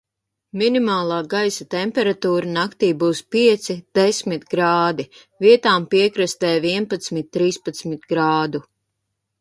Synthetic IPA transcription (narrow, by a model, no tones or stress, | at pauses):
minimaːlˠaːɡajsat̪ɛmpɛɾat̪uːɾanakt̪iːbuːspiɛt̪sid̪̥esmit̪ɡɾaːd̪i | viɛt̪aːmpiɛkɾɨst̪ɛːviɛnpat̪smit̪̚ʲːɾiːspat̪smit̪ɡɾaːd̪u